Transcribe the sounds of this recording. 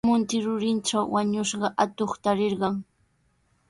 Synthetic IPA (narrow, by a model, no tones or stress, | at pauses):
mʊnt̪ɪɾʊɾɪnʈ͡ʂawwaɲʊʃɢɑʔat̪oχt̪aɾɪɾɢɑŋ